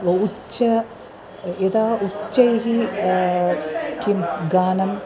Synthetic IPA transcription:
ut͡ɕːɐ | ed̪aːut͡ɕːɐjiɦi | kimɡaːnɐm

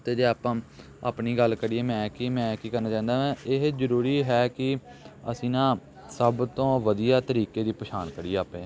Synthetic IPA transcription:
t̪eːd͡ʒeːaːpãː | aːpniːɡəlkəɽiɛːmɛ̃ːkɪmɛ̃ːkiːkəɾnaːt͡ʃãːnd̪aːãːɪɦzəɾuːɾiːɦɛːkɪ | əsĩːnãː | səbt̪õːʋəd̪ijaːt̪əɾiːkeːd̪iːpəʃʰaːnkəɽiːeːaːpẽː

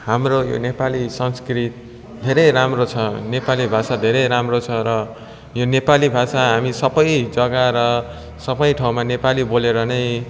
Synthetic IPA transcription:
hamrojo̰nepalisʌnskrit̪̚ | d̪ʱeɾʌjɾamrot͡sʰʌnepalibʱasad̪ʱeɾʌjɾamrot͡sʰʌɾʌ | jonepalibʱasaɦamisʌbʌjd͡zʌɡaɾʌ | sʌbʌjʈʰaw̃manepaliboleɾʌnʌj

